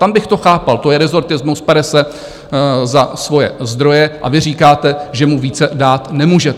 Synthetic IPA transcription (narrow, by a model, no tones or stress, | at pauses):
t̪ambɪxt̪o̞xaːpalt̪ojɛɾɛzo̞ɾt̪ɪzmuspɛɾɛsɛ | zasvo̞jɛ̰zd̪ɾo̞jɛʔa̰vɪriːkaːt̪ɛʒɛmuviːt͡sɛdaːt̪nɛmuːʒɛ